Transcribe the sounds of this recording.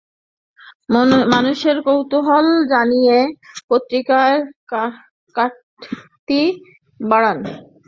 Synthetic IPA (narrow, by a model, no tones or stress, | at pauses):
manuʃeɾkowt̪oɦɔld͡ʑanijepot̪ːɾikaeɾ | ka | t̪i | baɽan